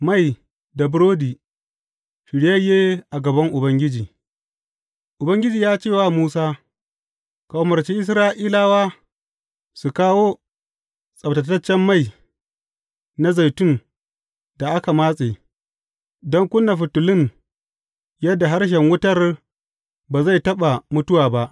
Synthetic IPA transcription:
ma˦˨j | da˨bʊ˦ɾoː˦diː˨ | ʃɪ˨ɽjɐ˦jeː˦ʔa˨ɡɐ˨bɐ˦ŋʔʊ˨bɐ˦ŋɡʲɪ˦d͡ʒiː˨ | ʔʊ˨bɐ˦ŋɡʲɪ˦d͡ʒiː˨jaː˦t͡ʃeː˦˨wa˦muː˦saː˦ | ka˨wmɐ˨ɾt͡ʃi˦ʔɪ˦s̬ɾaː˦ʔiː˦laː˦˨waː˦ | su˨kaː˦woː˦ | sʼɐ˨btɐ˨tɐ˦t͡ʃːɛ˦mːa˦˨j | na˦za˨jtʊ˦˨n | da˨ʔa˦ka˨maː˦sʼeː˨ | dɔ˦ŋkʷʊ˦nːa˨ɸʊ˨tʊ˨lɪ˦n | jɐ˦dːa˨ɦa˦ɽʃ̬ɛ˨ŋwʊ˦tɐ˦r | baː˨za˦˨jtɐ˦ɓa˨mʊ˦tʊ˦waː˨ba˦ʔ

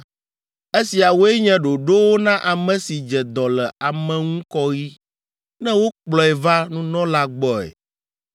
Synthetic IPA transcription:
e˦si˨a˨wo˦e˦ɲɛ̃˦ɖo˨ɖo˦wo˦nã˦ʔa˨mɛ̃˨si˨d͡ʒɛ˨d̪ɔ˨lɛ˨a˨mɛ̃˨ŋũ˦kɔ˦ɣi˦ | nɛ̃˦wo˦k͡plɔ˨ɛ˨va˦nũ˦nɔ̃˦la˦ɡ͡bɔ˨ɛ̰˨

